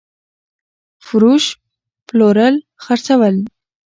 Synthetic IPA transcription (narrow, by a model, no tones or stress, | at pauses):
fʊɾuʃ | ploɾəl | xəɾt͡sawəl